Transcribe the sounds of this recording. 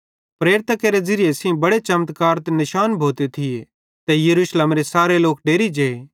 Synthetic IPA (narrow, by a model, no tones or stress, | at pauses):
pɾeːɾɪt̪akeɾed͡zɪɾɪjesĩbɐɽet͡ʃɐmt̪kaːɾt̪enɪʃaːnbʱoːt̪et̪ʰie | t̪ɛjɐɾuːʃleːmɾesaːɾeloːk̚ɖeːɾid͡ʒeːe